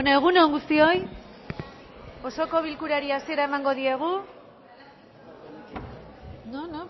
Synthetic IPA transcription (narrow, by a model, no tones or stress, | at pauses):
oneɣ̞unoŋɡust̪io̞j | o̞so̞ko̞β̞ilkuɾaɾiasie̞ɾae̞maŋɡo̞ðie̞ɣ̞u | nono